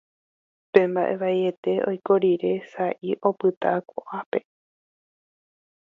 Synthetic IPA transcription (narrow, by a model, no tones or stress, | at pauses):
pẽ̞mbaʔe̞ʋaie̞t̪e̞o̞̰jko̞ɾiɾe̞saʔiʔo̞pɨt̪akoʔape̞